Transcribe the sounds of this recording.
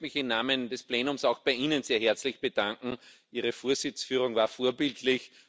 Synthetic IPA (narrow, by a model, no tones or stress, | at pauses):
mɪçɪmnaːmənd̥ɛspleːnʊmsaʊxb̥aɪʔiːnənseːɐɦɛɐt͡slɪçb̥əd̥aŋkŋ̩ʔiːʁəfoːɐzɪt͡sfyːʁ̞ʊŋvaːɐfoːɐbɪltʰlɪç